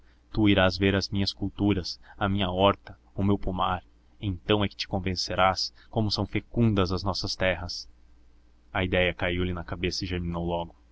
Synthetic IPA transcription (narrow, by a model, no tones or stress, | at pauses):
t̪uiɾazveɾɐzmĩɲɐskuwt̪uɾɐsɐmĩɲɐɔɾt̪ɐ | ʊmewpumaɾ | ẽnt̪ɐ̃w̃ɛkɪ̥t͡ʃɪ̥kõvẽseɾas | kõmʊsɐ̃w̃fekũnd̪ɐzɐznɔsɐst̪ɛɦɐs | ɐid̪ɛjɐkaiwlɪnɐkabesɐiʒeɾminowlɔɡʊ